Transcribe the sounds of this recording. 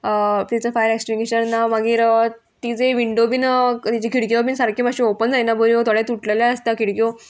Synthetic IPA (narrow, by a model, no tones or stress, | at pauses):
t̪it͡səfajɾeksʈiŋɡiɕənnːamaɡiːɾə | t̪id͡zeʋiɳɖobiːnt̪it͡ɕikʰiɽkjobiːnsaɾkʰimaɕiopənd͡zajnabəɾiot̪oɽet̪uʈleljaəst̪akʰiɽkjo